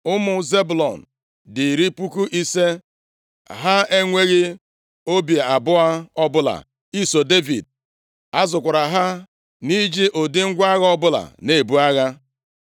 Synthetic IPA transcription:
ʊ˦mʊ˨ze˦bʊ˨lɔ˨n̩˨ | dɪ˨ɾi˦pu˦ku˦ʔi˦se˦ | ɦa˦e˦ŋʷe˦ɣɪ˦ | o˦bje˨a˨bʊ˦a˦ɔ˦bʊ˦la̰˨ | i˦so˨de˦vi˨d̚ | a˦zʊ˨kʷa˨ɾa˨ɦa˦ | ni˦d͡ʒi˦ʔo˨dɪ˦ŋ̩˦ɡʷa˦ɣa˦ɔ˦bʊ˦la̰˨ne˨bu˦a˦ɣa˦

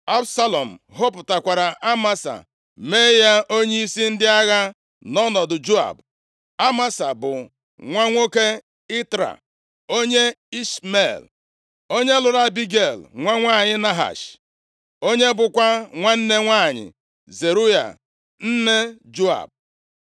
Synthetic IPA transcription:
a˦bsa˦lɔ˨m̩˨ɦo˦pʊ˨ta˨kʷa˨ɾa˨ʔa˦ma˦sa̰˨ | me˦ja˦ʔo˦ɲe˦i˦si˦n̩˦dɪ˦a˦ɣa˦ | nɔ˦nɔ˨dʊ˨d͡ʒu˦a̰˨b | a˦ma˦sa˨bʊ˨ | ŋʷa˦ŋʷo˦ke˦ | ɪ˦tɾa̰˨ | o˦ɲe˦i˦sme˨l | o˦ɲe˦lʊ˨ɾa˦bi˦ɡe˨lŋʷa˦ŋʷaː˦˨ɲɪ˦na˦ɦa̰˨ʃ | o˦ɲe˦bʊ˦kʷa˦ŋʷa˦n̩˦ne˦ŋʷaː˦˨ɲɪ̰˨ | ze˨ɾu˦ja̰˨ | n̩˦ne˦d͡ʒu˦a̰˨b̚

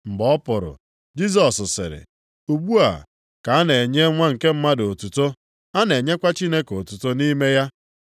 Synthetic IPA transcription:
m̩˨bɔ˦pʊ˨ɾʊ̰˨ | d͡ʒi˦z̬ɔ˨ssɪ̰˨ɾɪ̰˨ | u˨ɡ͡bu˦a̰˨ | ka˨a˦ne˨e˨ɲe˦ŋʷa˦ŋ̩˨ke˦m̩˦ma˦do˨tu˨to˦ | a˦ne˨ɲe˦kʷa˦t͡ʃi˦ne˦ko˨tu˨to˦ni˦me˦ja˦

